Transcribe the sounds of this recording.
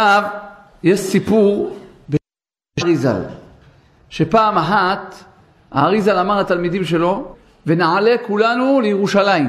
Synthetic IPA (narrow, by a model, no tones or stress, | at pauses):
av | jeʃsipuʁ | be | ʁiza̰l | ʃepaːmaħat̪ | a̰aʁizalamaʁhat̪almid̪imʃ̬e̞lo̞ | venaʕale̞kulanulejeʁuʃalaim